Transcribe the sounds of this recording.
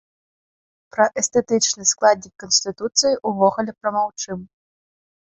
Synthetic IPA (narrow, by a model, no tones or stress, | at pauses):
pɾɐʔɛst̪ɛt̪ɨt͡ʂnɨsklˠad̪ʲnʲikːɐnsʲt̪ɨt̪ut̪sɨjiʔuvɔɣulʲɛpɾɐmawt͡ʂɨm